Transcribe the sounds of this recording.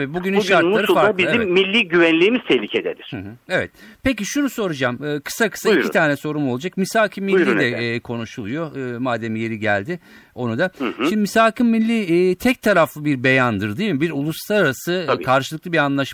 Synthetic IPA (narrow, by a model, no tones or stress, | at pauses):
vɛbuɟynʃaɾt̪muaɾɯaabizimːilʲːiːɟyvænlʲiːmiz̥t̪ʰɛhlʲicʰed̪ed̪ʲɪɾ̥̩ɦevɛ̰t̪pʰe̞c̬iʃunuso̞ɾud͡ʒamɯːkʰɯ̥sakʰɯ̥saicit̪aːnɛso̞ɾumo̞lˠd͡ʒakmisaːkʰɯmːillːiːɛːkʰo̞nuʃulˠujo̞maːd̪emije̞ɾiɟælʲd̪ɪ | o̞nud̪aʃimnd̪imisaːkʰɯmmilʲːit̪ʰɛc̚t̪ʰaɾaflˠɯbiɾbejand̪ɯɾd̪ɯjmbiɾulˠuslˠaɾaɾasɯkʰaɾʃɯlˠɯklˠɯbiɾanlˠaʃ